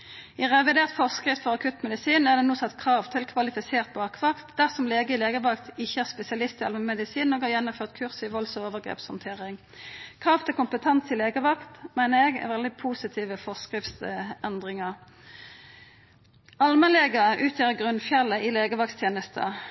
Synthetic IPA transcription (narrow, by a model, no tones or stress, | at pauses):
ɪʁɛʋɪd̪eːʁt̪fɔʁskʁɪft̪fɔʁɑkʰʉt̪mɛd̪ɪsiːnæʁd̪ɛnuːsɑt̪ːkʰʁɑːʋt̪ʰɪlkʰʋɑlɪfɪseːʁt̪̚bɑːkʋɑkt̪d̪æʁsɔmleːɡəɪleːɡəʋɑkt̪ɪçːəæʁspɛsɪɑlɪst̪ɪɑlməmɛd̪ɪsiːnːoːɡhɑːjɛnːʊmføːʁt̪kʰʉʁsɪʋɔlsɔoːʋəʁɡʁḛːpshɔnt̪ʰeːʁɪŋ | kʰʁɑːft̪ʰɪlkʊmpət̪ʰɛnsɪleːɡəʋɑkt̪mæɪnəɛɡɛ̰ʋɛld̪ɪpʰuːsɪt̪ʰiːʋəfɔʁskʁɪft̪sɛnd̪ʁɪŋəʁ | ɑlməleːɡəʔʉːt̪ʰjøːʁəɡʁʉnfjɛlːəʔɪleːɡəʋɑkst̪ʰjeːnəst̪ʰə̰